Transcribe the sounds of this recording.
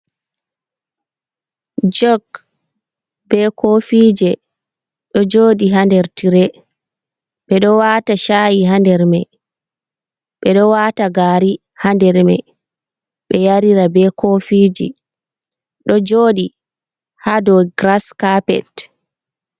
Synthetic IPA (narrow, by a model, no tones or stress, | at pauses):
d͡ʒɔɡ | bɛkʰofiːd͡ʒɛ | ɗɔd͡ʒoːdiɦandɛɾtiɾɛ | ɓɛɗɔwaːtaʃajiɦandɛɾmɛ | ɓɛɗɔwataɡaːɾi | handɛɾmɛ̰ | ɓɛjaɾiɾabɛkʰofiːd͡ʒḭ | ɗɔd͡ʒoːɗi | hadɔɡɾaskapɛ̰t